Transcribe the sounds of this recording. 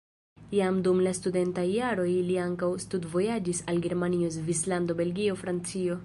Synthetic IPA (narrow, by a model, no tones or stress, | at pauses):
jamdumlastude̞ntajːaɾo̞jliaŋkawstudvo̞jad͡ʒisalɡe̞ɾmaniosvislando̞be̞lɡio̞fɾant͡sio̞